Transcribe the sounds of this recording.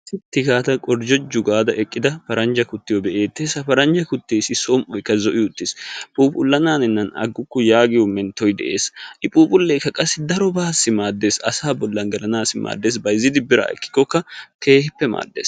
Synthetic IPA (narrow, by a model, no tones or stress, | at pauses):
ɪt̪ːɪɡaːt̪ɐkʼɔɾd͡ʒɔd͡ʒːʊɡaːd̪ɐʔɛkʼːɪd̪ɐpɐɾɐnd͡ʒɐkʊt̪ːɪjɔbɛʔe̞ːt̪ːeːsɐpɐɾɐnd͡ʒɐkʊt̪ːeːsɪsɔmʔɔjkːɐzɔʔɪjʊt̪ːɪspʼuːpʊlːɐnaːnɪnːɐnɐ̰ɡːʊkːʊjaːɡɪjɔmːɛnt̪ɔjd̪ɛ̰ʔe̞̰ːsʔɪpʼuːpʼʊlːeːkːɐkʼɐsːɪd̪ɐɾɔbaːsːɪmaːd̪ːe̞ːsɐsaːbɔlːɐnɡɐlɐnaːsɪma̰ːd̪ːeːsbɐjzːɪd̪ɪbɪɾa̰ːɛ̰kːɪ̥kːɔkːɐke̞ːhɪpːɛma̰ːd̪ːeːs